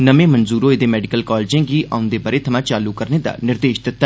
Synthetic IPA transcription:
nəmẽːmənzuːɾoːɪd̪eːmɛːɖɪkəlkɔːld͡ʒẽːɡiːʔa̰ːʊnd̪eːbəɾeːt̪ʰəmãːt͡ʃaːlukəɾneːd̪a̰ːnɪɾd̪eːʃd̪ɪt̪ːaː

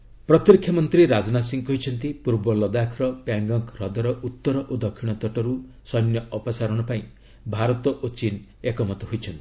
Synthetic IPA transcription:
pɾɔt̪ɾikʰːjɔmɔnt̪ɾiɾad͡ʒɔnasiŋkɦojt͡ʃʰɔnt̪ipuɾbɔlɔd̪akʰɾɔpjaŋɡɔŋkɾɔd̪ɔɾɔʔut̪ːɔɾɔʔod̪ɔkʰːiɽ̃ɔt̪ɔʈɔɾu | sɔjnjɔʔɔpɔsaɾɔɽ̃ɔpaĩ | bʱaɾɔt̪ɔʔot͡ʃin | ekɔmɔt̪ɔɦojt͡ʃʰɔnt̪i̥

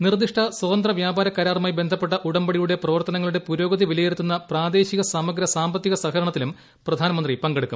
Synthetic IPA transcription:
nird̪iʂʈʰɐswɐðɐnd̪rɐʋjaːbaːɾɐkːɐːɾaːrmaːjbe̞nd̪ʱɐpːeʈːɐʔuɽɐmbɐɽijuɽe̞prɐʋɐrt̪ɐnɐŋːɐɭuɽe̞puɾo̞ːɡɐðiʋilɐjeɾut̪ːunːɐpraːd̪e̞ːɕiɣɐsaːmɐɡɾɐsaːmbɐt̪ːiɣɐsɐɣɐɾɐɳɐt̪ːilum | prɐd̪ʱaːnɐmɐnd̪ripɐŋɡeɽukːṵm

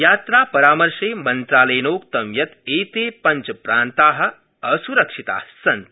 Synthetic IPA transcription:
jaːt̪ɾaːpɐɾaːmɐɾʃeːmɐnt̪ɾaːlejnoːk̚t̪ɐmjɐt̪eːt̪eːpɐnt͡ʃɐpɾaːnt̪aːɦɐ̆ | ɐsuɾɐkʂit̪a̰ːɦsɐnt̪

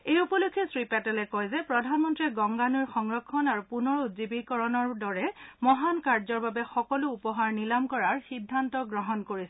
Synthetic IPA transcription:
ejupɔlokʰːɛsɹipɛtɛlɛkɔjzɛpɹɔdʱanmɔntɹɛɡɔŋɡanuɹxɔŋɹɔkʰːɔnaɹupunɔɹutzibikɔɹɔnɔɹdɔɹɛmɔɦankaɹzɔɹbabɛxɔkɔlʊːpɔɦaɹnilamkɔɹaɹxidʱːantɔɡɹɔɦɔnkoɹisɛ

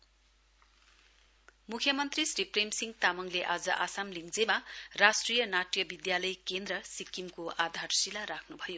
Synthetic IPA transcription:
mukʰjʌmʌnt̪risɾipremsiŋt̪amʌŋleʔad͡zʌ̰ʔasamliŋd͡zemaɾasʈrijʌnaʈjʌbid̪jalʌjkend̪ɾʌsikːimkoad̪ʱarsilaɾakʰnubʱʌjo

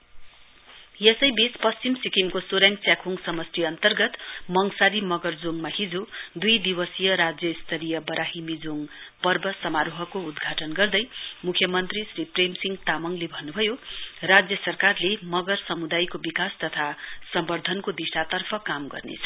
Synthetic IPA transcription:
jesʌjbespʌst͡simsikimkosoɾjãŋɡt͡sjakʰuŋsʌmʌstiʌnt̪ʌrɡʌt̪mʌŋsaɾimʌɡʌrd͡zoŋmahid͡zod̪ujd̪ibʌsijʌɾad͡zjʌist̪ʰʌɾijʌbʌɾʔaɦimid͡zoŋpʌrbʌsʌmaɾoɦʌkoud̪ɡʱaʈʌnɡʌrd̪ʌjmukʰjʌmʌnt̪risripremsiŋɡt̪amʌŋlebʱʌnːubʱʌjorad͡zjʌsʌrkarlemʌɡʌrsʌmud̪ajkobikast̪ʌt̪ʰasʌmbʌrd̪ʱʌnkod̪isʈat̪ʌrpʰʌkamɡʌ̰rnḛt͡sʰʌ̥

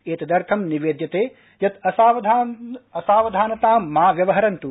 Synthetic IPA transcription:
eːt̪ɐd̪ɐɾt̪ʰɐmniʋeːd̪jɐt̪eː | jɐt̪ɐsaːʋɐd̪ʱaːɐsaːʋɐd̪ʱaːnɐt̪aːmːaːʋjɐʋɐɦɐɾɐnt̪u

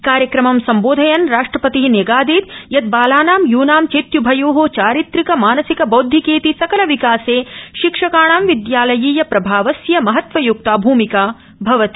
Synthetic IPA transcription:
kaːɾjɐkɾɐmɐmsɐmboːd̪ʱɐjɐnɾaːʂʈɾɐpɐt̪iɦinjeɡaːd̪iːt̪jɐt̪̚baːlaːnaːmjuːnaːmt͡ʃeːt̪jubʱɐjoːɦoːt͡ʃaːɾit̪ɾikɐmaːnɐsikɐboːd̪ʱːikeːt̪isɐkɐlɐʋikaːseːʃikʂɐkaːɳaːmʋid̪jaːlɐjiːjɐpɾɐbʱaːʋɐsjɐmɐɦɐt̪ʋɐjuk̚t̪aːbʱuːmikaː | bʱɐʋɐt̪i

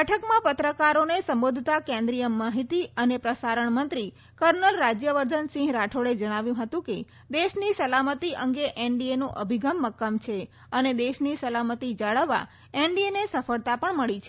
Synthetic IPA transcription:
bɛʈʰəkmãpət̪ɾəkaɾonesə̃mbod̪ʱt̪akẽnd̪ɾijəmːaɦit̪iənepɾəsaɾəɳmənt̪ɾi | kəɾnəlɾad͡ʒjəʋəɾd̪ʱənsĩŋɦɡɾaʈʰoɽed͡ʒəɽ̃aʋjũɦət̪ũke | d̪eʃnisəlamət̪iʔəŋɡeʔeɳɖienũʔəbʱiɡəmːəkːəmt͡ʃʰe | əned̪eʃnisəlamət̪id͡ʒaɭəʋːa̰ | eɳɖienesəfəɭt̪apəɳməɭit͡ʃʰe̥

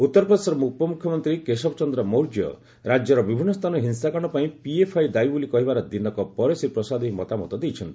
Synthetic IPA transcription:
ut̪ːɔɾɔpɾɔd̪esɔɾɔmupɔmukʰjɔmɔnt̪ɾikesɔbɔt͡ʃɔnd̪ɾɔmowɾd͡ʒjɔ̰ | ɾad͡ʒjɔɾɔbibʱinːɔst̪ʰanɔɦinsakaɽ̃ɔpaĩpiepʰajd̪aibulikɔɦibaɾɔd̪inɔkɔpɔɾesiɾpɾɔsad̪iɦimɔt̪amɔt̪ɔd̪ejt͡ʃʰɔnt̪i

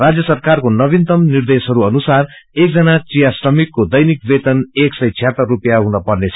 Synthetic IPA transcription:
rad͡zjʌsʌrkarkonʌbint̪ʌmnird̪esɦʌɾuʌnusar | ek̚d͡zʌnat͡sijasrʌmikːod̪ʌjnikbet̪ʌneksʌjt͡sʰijɦat̪ʌrːupjaɦunʌpʌrnet͡sʰʌ

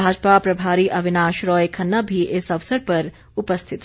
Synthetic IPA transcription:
aːd͡ʒpapɾɐbʱaːɾiʔɐʋɪnaːʃɾɔːjkʰɐnːəbʱiʔɪsɐʋsəɾpɐɾ | ʊpəst̪ʰɪt̪

